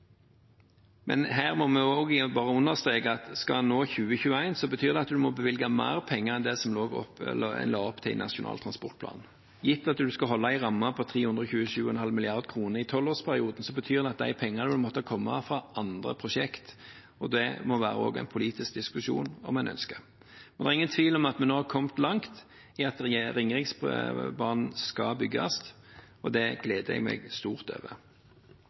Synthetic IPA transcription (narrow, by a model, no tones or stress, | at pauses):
mʔɛ̰nɦæːʁmɔmɛoːɡɪbɑːʁəʊnːəʁst̪ʁeːɡəɑt̪skɑnːoːçʉːəçʉːəæɪnsɔbət̪ʰyːʁd̪ɛɑt̪d̪ʉmɔbəʋɪlɡɑmæ̰ːʁpʰɛŋːəʁɛnd̪ɛsɔmloːɔ̰lɑːɔpːt̪ʰɪlnɑ̰ʃɪʊnʔɑ̰ːlt̪ʰʁɑnspɔʁt̪̚pʰlɑ̰ːn | jɪt̪ːɑt̪d̪ʉskɑɦɔlːɑæɪʁɑmːɑpʰɔt̪ʰʁiːhʉnd̪ʁəçʉːəʃʉːəɛnhɑlmɪlɪɑʁd̪kʰʁuːnəʁɪt̪ʰɔlːoːʁspʰæʁɪuːd̪n̩sɔbət̪ʰyːʁd̪ɛɑt̪̚d̪æ̰ɪpʰɛŋːɑnəd̪ʉmɔt̪ːəkʰɔmːɑfʁɑʔɑnd̪ʁə̰pʰʁʊʂɛkt̪ | ɔd̪ɛmɔʋæ̰ːɾəɔ̰ːɡæ̰ɪnpʰʊliːt̪ɪsk̚d̪ɪskʉʃṵːnɔ̰mæɛnʔœ̰nskə | mɛnɛʁɪŋːənt̪ʰʋiːlɔmɑt̪mɛnːoːhɑkʰɔmt̪lɑŋt̪ | ɪɑt̪ɾɪŋɾɪŋsbɑʁnn̩skɑbʏɡːɑ̰st̪ | ɔd̪ɛɡ̥leːd̪əɛ̰ɡmɛ̰ɡst̪uːʁt̪ø̰ːʋə̰ʁ